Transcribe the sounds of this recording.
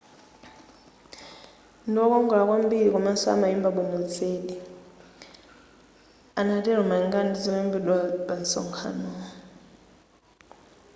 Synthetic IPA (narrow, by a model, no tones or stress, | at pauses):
ndiɔkɔŋɡɔɺak̬wambiɺikɔmasɔa̰maimbaɓumut͡sʰeːɗi | anatɛɾ̤ɔmaiŋɡandid͡zɔmambidabansɔ̰ŋkʰa̰nɔ